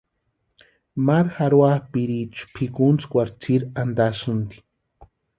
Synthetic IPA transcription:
maɾxaɾwahpiɾit͡ʃu̥pʰikunt͡skʷaɾt͡siɾand̪asɨnd̪i̥

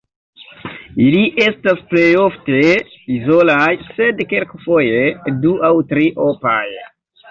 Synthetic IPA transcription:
iliʔe̞stasple̞jo̞fte̞ | izolajse̞dkelkfo̞je̞duʔawtɾiʔopa̰j

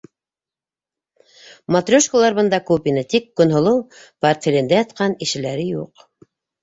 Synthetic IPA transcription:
mat̪rʲoʃkolˠɑɾβɤ̆nd̪ɑkopinɤt̪ikːɵ̆nɦŏlˠɤwpart̪fʲelɘ̆nd̪æjɑt̪qɑniʃɘ̆læɾɘjuq

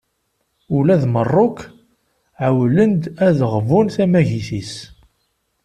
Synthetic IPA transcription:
ulæðmərˤːʊk | ʕawlənd̪æðʁəvunθæmæʝiθis

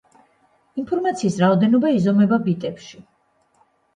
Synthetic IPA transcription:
inpʰɔɾmat̪sʰiːsɾaɔd̪ɛnɔbaizɔmɛbabit̪ʼɛpʃi

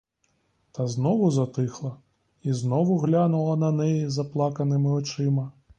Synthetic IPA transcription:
t̪ɐznɔʋʊzɐt̪ɪxlˠɐ | iznɔʋʊɣlʲanʊlˠɐnɐnɛjizɐplˠɑkɐnɪmɪɔt͡ʃɪmɐ

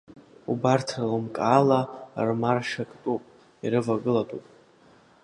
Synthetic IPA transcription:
ubartʰrlɨmkʼaːlarmarʂakʼtʼupʼ | iɾɨvaɡɨlatʼupʼ

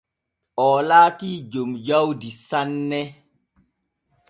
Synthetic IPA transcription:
ʔɔːlaːkiːd͡ʒomd͡ʒawdisanːɛ

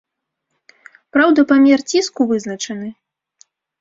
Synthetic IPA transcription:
pɾawd̪ɐpamʲɛrt͡sʲiskuvɨznɐt͡ʂɐnɨ

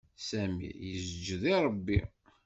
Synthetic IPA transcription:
sæmḭjəzd͡ʒðˤiɾˤəbːḭ

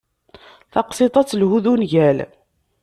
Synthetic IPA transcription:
θɑqsɪt̪ˤɑt͡sːlhuðunʝæl

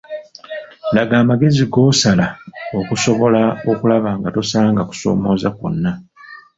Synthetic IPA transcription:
laɡaːmaɡe̞ziɡo̞ːsalao̞kuso̞βo̞lao̞kulaβaːŋɡato̞salaːŋɡaku̥so̞̰ːmo̞ːzako̰nːa

